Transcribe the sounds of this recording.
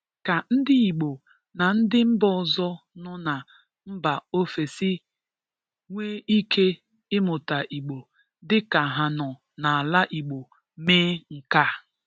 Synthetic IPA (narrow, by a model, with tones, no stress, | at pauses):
ka˨n̩˦dɪ˦i˨ɡ͡bo˨ | na˨n̩˦dɪ˦m̩˦bɔ˦˨zɔ˦nɔ˦na˨ | m̩˦ba˨o˦fe˨sɪ˦ | ŋʷeː˦i˦kʰe˦ | ɪ˦mʊ˨ta˨ʔi˨ɡ͡bo˨ | dɪ˦ka˨ɦa˨nɔ˨ | na˨a˨la˦ʔi˨ɡ͡bo˨ | meː˦ŋ̩˨ka˦